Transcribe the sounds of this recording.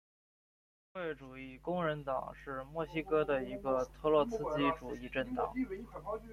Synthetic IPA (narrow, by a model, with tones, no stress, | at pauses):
xwe˥˩ɪʈ͡ʂu˨˩i˥˩kʊ˥ŋɻə˧˥nt̪ɑ̰˨˩ŋʂɻ̩˥˧mwɔ˥˩ɕi˥kɤ˥d̪ə˨i˧˥ɡə˧t̪ʰɤ˥lwɔ˥˧sɹ̩˥t͡ɕi˥ʈ͡ʂu˨˩i˥˧ʈ͡ʂə˥˩nt̪ɑ̰˨˩˦